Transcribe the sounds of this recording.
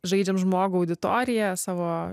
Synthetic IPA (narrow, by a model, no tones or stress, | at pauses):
ʒɐɪd͡ʒʲɛmʒmoːɡʊɐʊd̪ʲɪt̪o̰ːɾʲɪjɛsɑːʋoː